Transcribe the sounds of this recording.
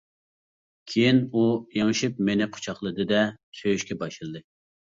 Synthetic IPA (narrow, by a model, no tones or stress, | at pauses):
kʲʰejinujeŋɨʃɨp̚menɪqʰo̥t͡ʃʰɑχlˠɨd̪ɨd̪ɛsøjyʃkʲɛbɑʃɨlˠɨd̪ɨ